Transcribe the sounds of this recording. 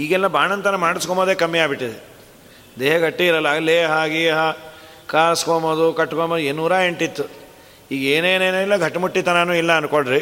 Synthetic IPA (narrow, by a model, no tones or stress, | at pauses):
iːɡɛlːɐbʱaːɳɐnt̪ɐnɐmaːɽiskomoːd̪eːkɐmːijaːbiʈːid̪e | d̪eːɦɐɡʱɐʈːiːɾɐlːɐleːɦaːɡiɦɐ | kaːɐskomɐd̪ukɐʈːkomɐd̪uenːuːɾaːeɳʈit̪ːu | iːɡeːneːneːnːilːɐɡʱɐʈːɐmuʈːit̪ɐnɐnuːilːɐːnukoɭɾi